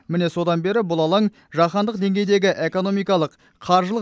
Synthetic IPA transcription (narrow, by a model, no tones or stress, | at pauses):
mɪne̞so̞d̪ɑnbe̞ɾɪbʊlˠɑlˠɑŋ | ʒɑχɑnd̪əq̚d̪e̞ŋɡʲe̞jd̪e̞ɡʲɪʔeko̞no̞mijkɑlˠəqʰːɑɾʒəlˠə